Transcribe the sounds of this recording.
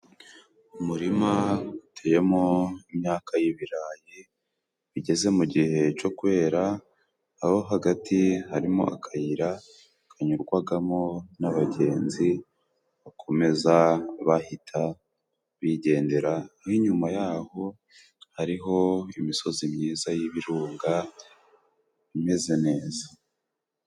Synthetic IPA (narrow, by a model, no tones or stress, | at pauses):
umuɾimautʰeje̞mo̞imɲaːkʰajiβiɾaːji | βiɟe̞ze̞muɟihe̞t͡ʃo̞kuwe̞ːɾaː | ho̞ɦaɡatʰihaɾimo̞̰ʔa̰kʰajiɾa | kʰaɲuɾɡwaɡamo̞naβaɟe̞ːnzi | βakʰo̞me̞zaβahitʰa | βiɟe̞ːnde̞ɾahiɲumajaːho̞ | haɾiɦo̞imiso̞zimɲiːzajiβiɾuːŋɡa | βime̞ze̞ne̞ːzḁ